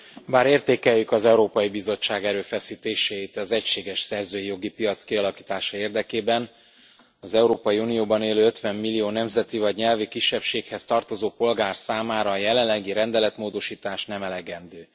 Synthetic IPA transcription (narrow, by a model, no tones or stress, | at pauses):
baːɾeːrt̪eːkɛjːykɒzɛuɾoːpɒjibizo̞t͡ʃːaːɡɛɾøːfɛsiːt̪eːʃeːit̪ɛzɛcʃeːɡɛʃsɛrzøːjijo̞ɡipijɒt̪skiɒlɒkiːt̪aːʃɒeːrd̪ɛkeːbɛn | ɒzɛuɾoːpɒjiunijoːbɒneːløːøt̪ʋɛmːilːijoːnɛmzɛt̪ivɒɟɲɛlvikiʃːɛpʃeːkhɛst̪ɒrt̪o̞zoːpo̞lɡaːrsaːmaːɾɒːjɛlɛlːɛɡiɾɛnd̪ɛlɛt̪moːd̪o̞ʃiːt̪aːʃnɛmɛlɛɡɛnd̪øː